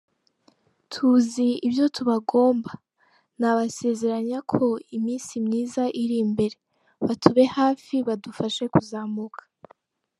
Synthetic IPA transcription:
tʰuziibjo̞tʰuβaɡo̞ːmba | naβase̞ze̞ɾaɲakʰo̞imiːnsimɲiːzaʔiɾimbe̞ɾe̞ | βatʰuβe̞haːfiβadufaʃe̞kuzamukʰḁ

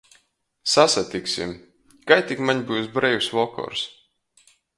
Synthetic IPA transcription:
sasat̪iksʲḭm | kajt̪ʲikmaɲbujsbɾɛjusvɔkɔ̰ɾs

